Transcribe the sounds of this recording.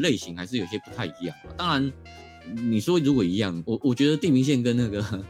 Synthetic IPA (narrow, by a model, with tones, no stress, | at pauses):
le˥˩ɪɕi˧˥ŋxa˧˥ɪʂɻ̩˥˩jo˨˩ɕjɛ˧˥pu˧˥t̪ʰa˥˩ɪi˧˥jɑ̰˥˩ŋə̰˨˩t̪ɑ˥ŋɻa˧˦n | ni˨˩ʂwɔ˦ɻu˧˥kwɔ˨˩i˧˥jɑ˥˩ŋwɔ˨˩wɔ˨˩t͡ɕɥɛ˧˥d̪ə˧t̪i˥˩mi˧˥ŋɕ̬jɛ˥˨nkə˦nna˥˩ɡə˩